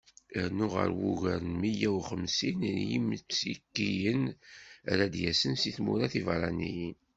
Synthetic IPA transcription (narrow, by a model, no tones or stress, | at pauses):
əɾnʊʁə̰ɾwuʝəɾnmijæwχəmsinnjḭmət͡sːikːijən | ɾæd̪jæsənsiθmṵɾæθivɾˤɑnijin